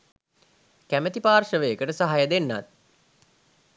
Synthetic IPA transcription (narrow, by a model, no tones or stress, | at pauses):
kæmət̪ipaːrʂəʋejekəʈəsaɦajəd̪enːa̰t̪̚